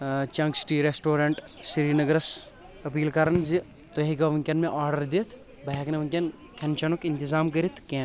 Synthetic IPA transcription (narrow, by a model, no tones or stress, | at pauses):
t͡ʃɐ̃ŋɡsʈiːɾesʈoːɾaːɳʈ | siɾiːnɐɡɐɾɐs | ɐpiːlkaɾɐnzi | t̪oɦiɡɐʋɐŋkʲɐnmẽʔaːɾɖəɾd̪et̪ʰ | bɐjaknɐʋɐŋkʲɐn | kʰɐnt͡ʃɐnokɪnt̪izaːmkəɾit̪ʰkẽː